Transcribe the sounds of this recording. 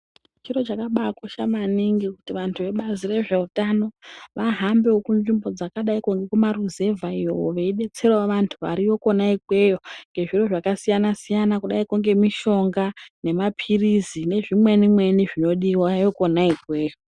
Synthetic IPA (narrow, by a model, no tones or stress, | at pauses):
t͡ʃiro̞t͡ʃakaɓakoʃamaniŋɡiku̥tiʋantʰuʋe̞ɓazire̞ʐe̞utano̞ʋaɦambe̞wokunʐimbo̞d͡zakaɗaikuŋɡe̞kumaruze̞vʱaio̰woʋe̞iɗe̞t͡se̞rewaʋantʰuʋa̰ɾijo̞ko̞naikwe̞jo̞ŋɡe̞ʐiro̞ʐakasijanasijanakuɗaikuŋɡe̞miʃo̞ŋɡane̞mapʰirizine̞ʐimwe̞nimwe̞niʐino̞ɗiwajo̞ko̞naikwe̞ːjo